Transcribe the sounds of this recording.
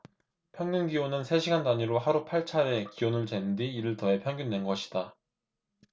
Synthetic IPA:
pʰjʌŋɡunɡionɯnsʰe̞ɕʰiɡandaɲiɾoɦaɾupʰaɭt͡ɕʰaɾe̞kiwonɯɭt͡ɕwe̞ndiːɾɯɭtʌe̞pʰjʌŋɡundwe̞nɡʌɕʰi̥d̥a

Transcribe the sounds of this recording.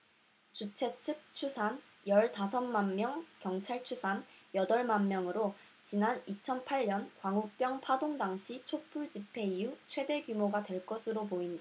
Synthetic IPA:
t͡ɕut͡ɕʰe̞t͡ɕʰɯk̚t͡ɕʰusʰan | jʌɭtasʰʌnmanːjʌŋkjʌŋt͡ɕʰaɭt͡ɕʰusʰanjʌdʌɭmanmjʌŋɯɾo | t͡ɕinanit͡ɕʰʌnpʰaʎɲʌnkwaŋuk̚p͈jʌŋpʰadoŋdaŋɕʰit͡ɕʰop͈ʰuɭd͡ʑipʰe̞iut͡ɕʰwe̞de̞ɡjumoɡadwe̞ɭk͈ʌsʰɯɾopoinda

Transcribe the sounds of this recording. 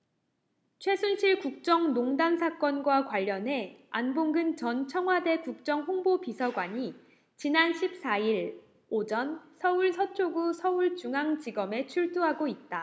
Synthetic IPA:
t͡ɕʰwe̞sʰunɕʰiɭkuk̚t͡ɕ͈ʌŋnoŋdansʰak͈ʌnɡwakwaʎːʌne̞anboŋɡɯnt͡ɕʌnt͡ɕʰʌŋɦwade̞kuk̚t͡ɕ͈ʌŋɦoŋbopisʰʌɡwaɲi | t͡ɕinanɕʰip̚s͈aiɾ | od͡ʑʌnsʰʌuɭsʰʌt͡ɕʰoɡusʰʌuɭt͡ɕuŋɦaŋt͡ɕiɡʌme̞t͡ɕʰuɭt͈uɦaɡoit̚t͈a

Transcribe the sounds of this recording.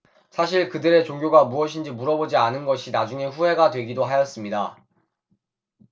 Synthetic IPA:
sʰaɕ̬ʰiɭkɯdɯɾe̞t͡ɕoŋɡjoɡamuʌɕʰind͡ʑimuɾʌbod͡ʑianɯnɡʌɕʰinad͡ʑuŋe̞ɸuɦe̞ɡadwe̞ɡidoɦajʌs͈ɯmɲida

